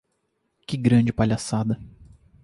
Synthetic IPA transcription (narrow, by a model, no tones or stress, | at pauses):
kʲɪɡɾɐ̃d͡ʒɪpaʎasad̪ɐ